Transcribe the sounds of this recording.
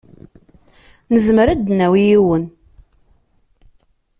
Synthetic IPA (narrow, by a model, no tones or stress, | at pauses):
nəzməɾæd̪næwijiwən